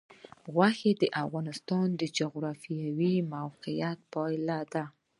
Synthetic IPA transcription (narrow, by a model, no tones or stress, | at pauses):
ɣwaxed̪əʔafɣɑnɪst̪ɑnd̪əd͡ʒʊɣɾɑfijawimawqijat̪̚pɑjlad̪a